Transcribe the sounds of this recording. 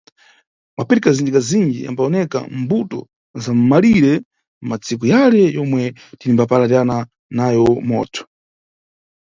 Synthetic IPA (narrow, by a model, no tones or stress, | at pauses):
mapɛɾikazindikazind͡ʒḭa̰mbaɔnɛka̰mbutɔ̰ | zam̩maliɾɛ | m̩mat͡sʰikujalɛjɔmwɛtinimbapalatana | najɔmɔ̰ːtʰɔ̥